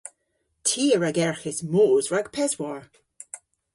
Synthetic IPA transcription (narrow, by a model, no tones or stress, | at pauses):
tʰiːəɹaɡɛɹxɪsmoːzɹaɡpʰɛzwaɹ